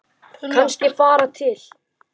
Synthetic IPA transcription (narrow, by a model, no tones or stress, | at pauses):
kʰanscɪfaːɾat̪ʰɪl̥